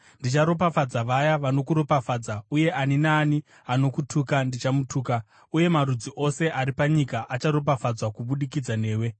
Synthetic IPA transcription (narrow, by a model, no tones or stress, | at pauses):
ndit͡ʃaɾo̞pafad͡zaʋajaʋano̞kuɾo̞pafaːd͡zauje̞ʔaninaːni | ano̞kutʰukandit͡ʃamutʰuːka | uje̞maɾud͡ziʔo̞se̞ʔaɾipaɲikaʔat͡ʃaɾo̞p̬afad͡zwakuɓuɗikid͡zane̞ːwe̞